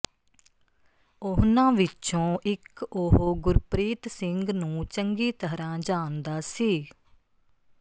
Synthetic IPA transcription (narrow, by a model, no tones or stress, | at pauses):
ʊɦnãːʋɪt͡ʃõːʔɪkoɦoːɡʊɾpɾiːt̪sɪŋɡnũːt͡ʃəŋɡiːt̪əɦɾãːd͡ʒaːnd̪aːsiː